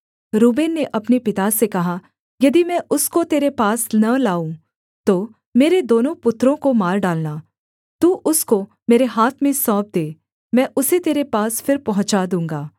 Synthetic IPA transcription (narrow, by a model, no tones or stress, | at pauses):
ɾuːbeːnːeʔɐpnepɪt̪asekɐɦa | jɐd̪imɛ̃ːʔʊskot̪eːɾepaːsnɐlaːũ | t̪oː | meːɾed̪oːnõpʊt̪ːɾõkomaːɾɖaːlna | t̪uːʔʊsko | meːɾeɦaːt̪ʰmẽsɔːp̚d̪eː | mɛ̃ːʔʊset̪eːɾepaːsfɪɾpɐɦʊ̃t͡ʃad̪ũːŋɡaː